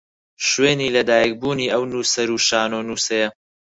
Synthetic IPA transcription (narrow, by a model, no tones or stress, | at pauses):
ʃweːniːlɐd̪aːjɐk̚buːniːʔɐwnuːsɐɾuːʃaːnoːnuːsɐjɐ